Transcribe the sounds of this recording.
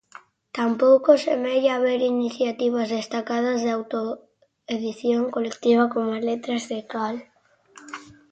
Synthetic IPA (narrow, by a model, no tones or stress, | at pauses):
t̪ampowkosemɛjaβeɾiniθjat̪iβ̞azðest̪akað̞ɐzðeawt̪o | eðiθjoŋkolek̚t̪iβ̞akomazlet̪ɾazðekal